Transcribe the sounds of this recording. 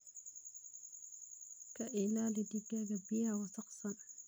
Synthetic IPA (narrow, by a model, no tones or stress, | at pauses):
kaʔelalidiɡaɡabijawasaqsan